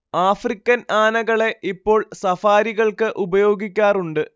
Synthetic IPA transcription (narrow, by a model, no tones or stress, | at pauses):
aːfrikʲːɐnaːnɐɣɐɭe̞ʔipːo̞ːɭsɐfaːɾiɣɐɭkɨʔubɐjo̞ːɡikʲːaːruɳɖɨ